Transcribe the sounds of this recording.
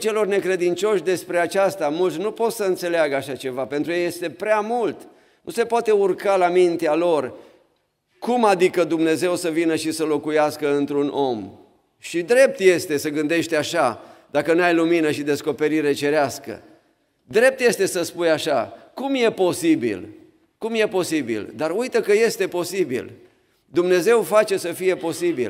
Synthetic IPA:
t͡ʃe̞lo̞rne̞kɾe̞d̪int͡ʃo̞ʃʲd̪e̞spɾe̞at͡ʃast̪amult̪sʲnupo̞t̪səɨnt̪se̞leaɡəaʃat͡ʃe̞vapent̪ɾukjeje̞st̪e̞pɾeamult̪ | nuse̞poat̪e̞urkalamint̪ealo̞r | kumad̪ikəd̪umne̞ze̞wsəvinəʃisəlo̞kujaskəɨnt̪ɾunʔo̞m | ʃid̪ɾe̞p̚t̪je̞st̪e̞səɡɨnd̪e̞ʃt̪eaʃad̪̥akənuajluminəʃid̪e̞sko̞pe̞ɾiɾe̞t͡ʃe̞ɾeaskə̰ | d̪ɾe̞p̚t̪je̞st̪e̞səspujaʃakumje̞po̞sibḭl | kumje̞po̞sibḭld̪arujt̪əkəje̞st̪e̞po̞sibḭl | d̪umne̞ze̞wfat͡ʃe̞səfije̞po̞sibḭl

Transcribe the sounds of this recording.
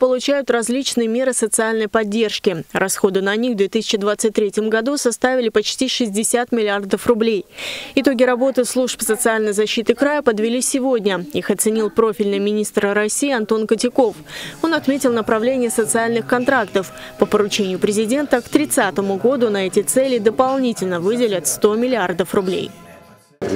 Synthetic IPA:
pəlˠʊt͡ɕæjʊt̪rɐzʲlʲit͡ɕnɨjəmʲe̞ɾɨsət̪sɨalʲnəjpɐdʲːe̞rʂkʲɪrʔɐsxo̞d̪ɨnɐnʲixvd̪vʲet̪ɨsʲɪ̥t͡ɕɪd̪vat̪sɨt̚ʲt̪ːɾʲetʲjəmɡɐd̪usɐst̪avʲɪlʲɪpɐt͡ɕtʲiʂɨzʲdʲɪsʲat̪mʲɪlʲɪard̪əfrʊblʲejɪt̪o̞ɡʲɪɾɐbo̞t̪ɨslˠuʂpsət̪sɨalʲnəjzɐɕːit̪ɨkɾajəpəd̪vʲɪlʲisʲɪvo̞dʲnʲəixɐt̪sɨnʲilˠpɾo̞fʲɪlʲnɨjmʲɪnʲist̪ɾɾɐsʲijːɐnt̪o̞nkətʲɪko̞fo̞nɐt̪mʲetʲɪlˠnəpɾɐvlʲenʲɪjəsət̪sɨalʲnɨxkɐnt̪ɾakt̪əfpəpəɾʊt͡ɕenʲɪjʊpɾʲɪzʲɪdʲe̞nt̪əkt̪ɾʲɪt̪sat̪əmʊɡo̞d̪ʊnɐɛtʲɪt̪sɛlʲɪd̪əpɐlˠnʲitʲɪlʲnəvɨdʲɪlʲɪt̪ʲst̪o̞mʲɪlʲɪard̪əfrʊblʲḛj

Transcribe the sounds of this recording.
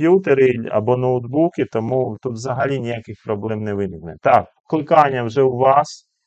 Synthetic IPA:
jut̪eɾɪɐ̰bɔnɔwd̪bukʲɪt̪ɔmut̪ut̪ʋzɐɦɐlʲinʲijakɪxpɾɔblˠɛmnɛʋɪnɪknɛt̪ɑk | klˠɪkɑnʲːɐwʒɛwʋɑs

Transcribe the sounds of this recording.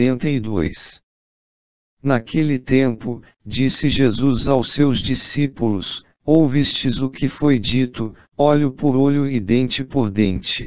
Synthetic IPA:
ẽnt̪ɐid̪o̰js | nakʰelɪt̪ẽmpʊ | d͡ʒisɪʒezuzawsewzd͡ʒisipulʊs | owvist͡ʃɪzʊkʰɪfojd͡ʒit̪ʊ | ɔʎʊpoɾoʎʊid̪ẽnt͡ʃɪpoɾd̪ẽnt͡ʃɪ̥

